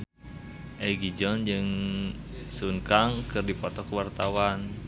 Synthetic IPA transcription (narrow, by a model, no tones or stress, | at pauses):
ʔɛɡid͡ʒɔnd͡ʒɨŋ | sunkaŋkɨrdipɔt̪ɔkəwart̪awan